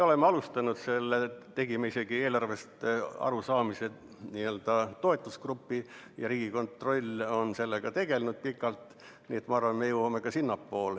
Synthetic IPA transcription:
eo̞lemːeɑlust̪ɑnud̪̥se̞lːet̪e̞ɡimeise̞ɡ̥ie̞ːlɑrʋe̞st̪ɑ̰ɾusɑːmise | niːøld̪ɑt̪o̞e̞t̪ːˑuskrupːi | jɑɾiːɡ̥iko̞nt̪ro̞lʲːo̞nse̞lːeɡ̥ɑt̪e̞ɡ̥e̞lnud̪̥̚pikːˑɑlt̪ | niːet̪mɑɑrvɑnmejewɑme̞kɑsinːɑpːo̞ːl

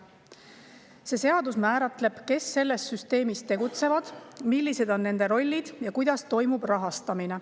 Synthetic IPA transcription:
se̞ːse̞ɑd̪usmæːɾɑt̪le̞b̥ke̞sːe̞lːe̞st̪syst̪e̞ːmist̪e̞ɡ̥ut̪se̞vɑd̪̥milʲːise̞d̪o̞nːe̞nd̪e̞ɾo̞lʲːid̪̥jɑkujd̪̥ɑst̪o̞jmub̥rɑɦɑst̪ɑmine̞

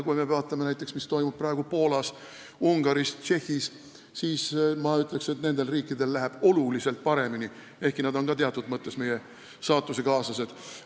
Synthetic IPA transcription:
kujmevɑːt̪ːˑɑmenæjt̪ːˑe̞ksmist̪o̞jmub̥̚prɑːe̞ɡ̥upo̞ːlɑs | uŋɡ̥ɑɾist͡ʃehːis | siːsmɑyt̪ːˑle̞kse̞t̪ne̞nd̪e̞lriːkːˑid̪e̞lːæɦeb̥o̞lulise̞lt̪̚pɑɾe̞mini | e̞hkinɑd̪o̞nkɑt̪eɑt̪ːˑud̪mɤt̪ˑːe̞sme̞je̞ | sɑːt̪ˑːuse̞kɑːsɑse̞d̪̥

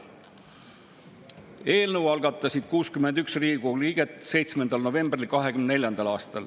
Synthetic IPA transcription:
e̞ːlnəwɑlɡɑt̪ˑːɑsid̪̥kuːskymend̪yksriːɡ̥uliːɡ̥et̪se̞jt̪smend̪̥ɑlno̞ve̞mbrilkɑɦekymnne̞ljɑnd̪̥ɑlɑːst̪ɑl

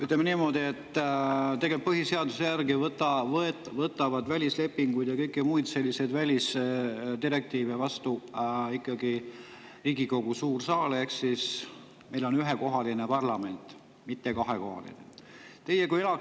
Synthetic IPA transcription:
yt̪lemeniːmo̞ːd̪ie̞t̪ːˑt̪e̞ɡelp̚pɤɦise̞ɑd̪usejærɡivɤt̪ːˑɑvɤet̪vɤt̪ːˑɑvɑd̪vælʲisle̞pːiŋɡujd̪jɑkɤjkːˑimujd̪se̞lʲːise̞jd̪vælʲisd̪iɾe̞k̚t̪iːvevɑst̪uikˑːɑɡi | riːɡiko̞ɡ̥usuːrsɑːle̞hksis | me̞jlo̞nyɦeko̞ɦɑlinepɑrlɑme̞nt̪ˑ | mit̪ːekɑɦeko̞̰hɑ̰lḭnḛt̪e̞jekujelɑ

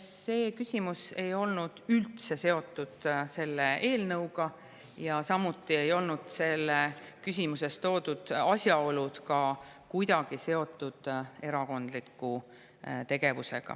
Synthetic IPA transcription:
se̞ːkysʲimuse̞jo̞lnud̪̥ylt̪se̞se̞o̞t̪ˑːud̪̥se̞lːee̞ːlnɤwɡɑ | jɑsɑmut̪ːˑie̞jo̞lnud̪̥se̞lːekys̬ʲimuse̞st̪t̪o̞ːd̪̥ud̪̥ɑsjɑo̞lud̪̥kɑ | kujd̪ɑɡ̥ise̞o̞t̪ˑːud̪̥e̞ɾɑko̞nd̪likːˑu | t̪e̞ɡ̥e̞vuse̞̰ɡ̥ɑ̰

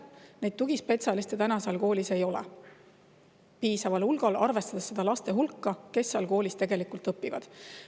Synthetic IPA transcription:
ne̞jd̪̥̚t̪uɡ̥ispe̞t̪sɑlist̪et̪ænɑseɑlko̞ːlʲise̞jo̞lɛ̰ | piːsɑvɑlulɡ̥ɑlɑrve̞st̪ɑd̪̥esːe̞d̪̥ɑlɑst̪e̞ɦulkːɑke̞sːeɑlko̞ːlʲist̪e̞ɡe̞likˑult̪ˑɤpːˑivɑ̰d̪̥

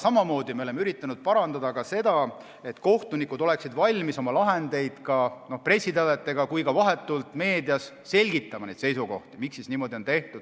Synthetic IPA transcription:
sɑmɑmo̞ːd̪̥imeo̞lemeyɾit̪ːˑɑnud̪̥̚pɑɾɑnd̪ɑd̪ɑkɑse̞d̪̥ɑ | e̞t̪ko̞ht̪unikːˑud̪o̞le̞ksid̪vɑlʲmiso̞mɑlɑɦe̞nd̪̥e̞jd̪̥kɑno̞hpre̞sʲːit̪ɑlet̪ːˑe̞ɡ̥ɑkujkɑvɑɦe̞t̪ːˑult̪ˑme̞ːd̪iɑsːe̞lʲɡit̪ːˑɑmɑnejd̪se̞jsuɡo̞ht̪imiksːisniːmo̞d̪io̞nt̪e̞ht̪ud̪̥

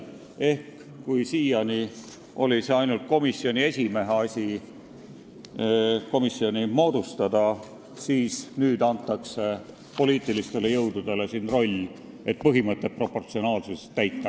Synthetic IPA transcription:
e̞hk | kujsiːjɑnʲi | ʔo̞lʲise̞ɑjnult̪̚ko̞misːio̞nʲie̞sʲime̞ɦeɑsʲi | ko̞misːio̞nʲimo̞ːd̪̥ust̪ɑd̪̥ɑ | siːsnyːd̪̥ɑnt̪ˑːɑkse̞ | po̞liːt̪ˑilist̪e̞le̞jɤwd̪̥ud̪̥e̞le̞siːnro̞lʲː | e̞t̪̚ːpɤɦimɤt̪ːˑe̞t̚pro̞pːo̞rt̪sio̞nɑːlsust̪ːæjt̪ːˑɑ

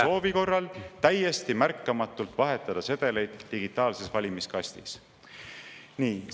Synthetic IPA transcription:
o̞ːviko̞rːɑlt̪æje̞st̪imærkːɑmɑt̪ːˑult̪vɑɦe̞t̪ːˑɑd̪̥ɑse̞d̪̥e̞le̞jd̪̥ːiɡit̪ːˑɑːlse̞svɑlʲimiskɑst̪is | niː

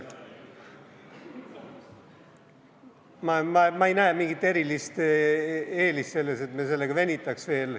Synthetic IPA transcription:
mɑmɑmɑejnæːmiŋɡ̥it̪ːˑe̞ɾilist̪ | e̞ːlist̪se̞lːeset̪mes̬e̞lːeɡɑvænʲit̪ːˑɑksve̞ːl

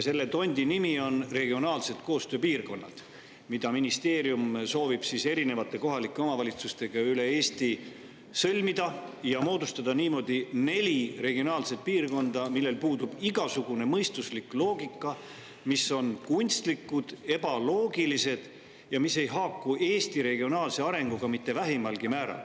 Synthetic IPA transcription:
se̞lːe̞t̪o̞nʲd̪̥ʲinimio̞nre̞ɡ̥io̞nɑːlse̞t̪̚ko̞ːst̪øːpiːrko̞nːɑ̰d̪̥ | mid̪̥ɑminist̪e̞ːɾjumso̞ːvib̥sise̞ɾine̞vɑt̪ːˑe̞ko̞ɦɑlikːˑe̞o̞mɑvɑlʲit̪sust̪e̞ɡ̥ɑyle̞e̞ːst̪i | sɤlʲmid̪̥ɑjɑmo̞ːd̪ust̪ɑd̪̥ɑniːmo̞d̪̥ine̞lʲire̞ɡ̥io̞nɑːlse̞t̪̚piːrko̞nd̪̥ɑmilːe̞lpuːd̪ub̥iɡɑsuɡ̥une̞mɤjst̪usliklo̞ːɡikˑːɑ | miso̞nkunʲst̪likˑːud̪̥e̞b̥ɑlo̞ːɡilise̞d̪̥ | jɑmise̞jɦɑːkːuʔe̞ːst̪iɾe̞ɡio̞nɑːlse̞ɑɾe̞ŋɡ̥uɡ̥ɑmit̪ːe̞væɦimɑlɡ̥imæːɾɑ̰l

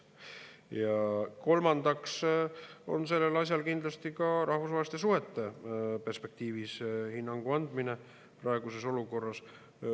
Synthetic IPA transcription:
jɑko̞lmɑnd̪̥ɑks | o̞̰nse̞lːe̞lɑs̬ʲjɑlkind̪̥lɑst̪ikɑɾɑhvusvɑːlist̪esuɦe̞t̪ːˑe̞pe̞rspe̞k̚t̪iːvishinːɑŋɡ̥uɑnd̪̥mine̞ | prɑe̞ɡ̥use̞so̞luko̞rːɑs

